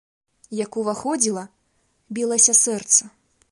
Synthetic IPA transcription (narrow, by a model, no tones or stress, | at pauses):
jakuvaxɔd͡zʲilˠɐ | bʲilˠɐsʲɐsɛrt̪sɐ